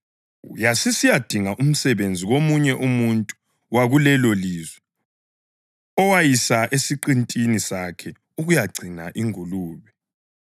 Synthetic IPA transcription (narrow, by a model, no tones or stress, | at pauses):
jasisijad̥ʱiŋaʔum̩sɛβend͡zʱiɣomuɲɛʔumuntʼu̥ | waɣulɛloliːzwɛ | ɔwajisaʔesiǃintʼinisakʰɛ | uɣujaɡ͡ǀʱinaʔiŋuluːβɛ